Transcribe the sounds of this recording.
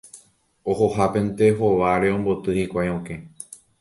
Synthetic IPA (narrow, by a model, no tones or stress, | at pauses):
ohohapẽ̞nt̪e̞ɦo̞ʋaɾe̞õ̞mbo̞t̪ɨhikʷajõke̞